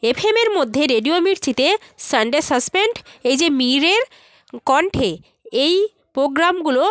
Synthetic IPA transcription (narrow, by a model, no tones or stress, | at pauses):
epʰemeɾmod̪ʱːeɾeɖiomiɾt͡ɕit̪esaɳɖesəspeɳʈejd͡ʑemiɾeɾ | kɔɳʈʰe | ej | pɾoɡɾamɡulo